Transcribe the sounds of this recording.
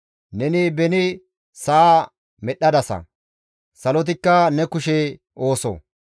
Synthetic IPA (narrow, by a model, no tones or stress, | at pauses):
nɛnɪbɛnɪ | sɐa | mɛɗɐd̪ɐsɐ̰ | sɐlɔt̪̬ɪkːɐnɛkʊʃɛ | ʔo̞ːso̰